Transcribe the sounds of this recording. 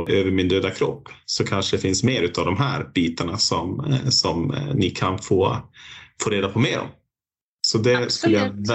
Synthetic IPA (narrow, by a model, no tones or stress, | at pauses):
ʔøːvəɾmɪnd̪øːd̪akʰɾɔpːsɔkʰanʂəd̪ɛfɪnsmeːɾʉ̟ːt̪avd̪ɔmɦæ̰ːɾb̥iːt̪aɳasɔmsɔmnɪkʰanfoː | foːɾeːd̪apʰɔmeːɾɔ̰m | sɔd̪ɛskɵlːəjav